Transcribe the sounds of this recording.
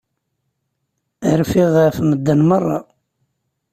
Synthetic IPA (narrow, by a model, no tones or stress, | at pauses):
ɾfiʁəfməd̪ːənmərˤːɑ̰